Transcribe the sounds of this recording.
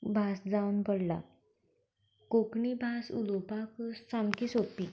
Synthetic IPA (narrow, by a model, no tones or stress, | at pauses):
bʱasd͡zawunbəɽla̰ | kokɳibʱasṵlopaksamkisopi